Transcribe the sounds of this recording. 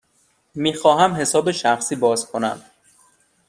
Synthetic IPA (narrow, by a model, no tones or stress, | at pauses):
miːxɒːɦæmɦe̞sɒːbeʃæxsiːbɒːzkʰo̞næ̰m